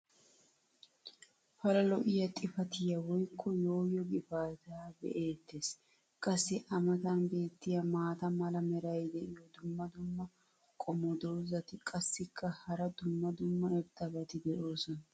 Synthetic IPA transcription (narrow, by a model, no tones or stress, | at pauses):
fɐlɐlɔʔɪjɐt̪ʼɪfɐt̪ɪjɐwɔjkʰːɔjo̞ːjɔɡɪfaːt̪aːbɛ̰ʔe̞ːt̪ːeːs | kʼɐsːɪʔɐmɐt̪ɐnbe̞ːt̪ːɪjɐmaːt̪ɐmɐlɐmɛɾɐjd̪ɛʔɪjɔd̪ʊmːɐd̪ʊmːɐ | kʼɔmɔd̪o̞ːzɐt̪ɪkʼɐsːɪkʰːɐhɐɾɐd̪ʊmːɐd̪ʊmːɐɛɾd̪ɐbɐt̪ɪd̪ɛʔo̞ːsɔnɐ